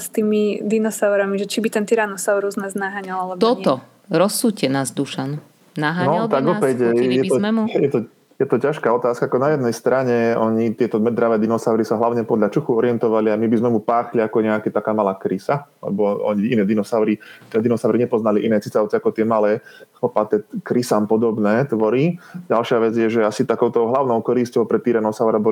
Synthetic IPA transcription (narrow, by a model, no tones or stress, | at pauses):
st̪iːmid̪inɔsaʊɾamiʒɛt͡ʃibit̪ɛnt̪iɾaːnɔsaʊɾuznɛznaɦaɲalalɛb̪ɔtɲɔ | ɾɔsuːcɛnaːzd̪uʃanu | naɦanɔat̪aɡɔpɛcjɛɔjɛt̪ɔ | jɛt̪ɔcaʃkaːɔt̪aːskaakɔnajɛd̪̚nɛjst̪ɾaɲɛɔɲit̪ɪɛt̪ɔmɛd̪ɾaʋɛːd̪inɔsaʊɾisaɦlaʊɲɛpɔd̪ʎat͡ʃuxuɔɾɪɛnt̪ɔʋaliamibizmɛmupaːxliakɔɲɛakɛt̪akaːmalaːkɾisalɛ̰bɔɔ̰ɲiinɛːd̪inɔsaʊɾit̪ɛd̪inɔsaʊɾiɲɛpɔznaliʔinɛːt͡sit͡saʊt͡sɛakɔt̪ɪɛmalɛːxɔpat̪ɛkɾisampɔd̪ɔbnɛːt̪ʋɔɾiɟalʃɪaʋɛd͡zjɛʒɛasit̪akɔʊt̪ɔʊɦlaʊnɔʊkɔɾiscɔʊpɾɛt̪ːiɾɛnɔsaʊɾɛbɔ